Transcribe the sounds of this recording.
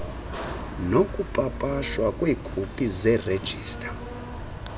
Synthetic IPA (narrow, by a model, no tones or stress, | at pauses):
nokʼupʼapʼaʃwakʼwekʰupʼizɛre̥d͡ʒʱiːstʼḁ